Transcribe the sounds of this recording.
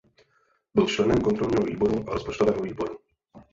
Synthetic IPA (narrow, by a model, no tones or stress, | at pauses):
bɪlt͡ʃlɛnɛmkont̪ɾolɲiːɦovḭːbo̞ɾuʔaɾospot͡ʃt̪ovɛːɦoviːbo̞ɾu